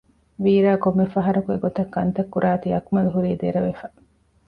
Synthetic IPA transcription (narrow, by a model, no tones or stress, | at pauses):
ʋiːɾaːkomːefɐɦɐɾɐkueɡot̪ɐkːɐnt̪ɐkːuɾʔaːt̪iɐkmɐluɦuɾiːd̪eɾɐʋefɐ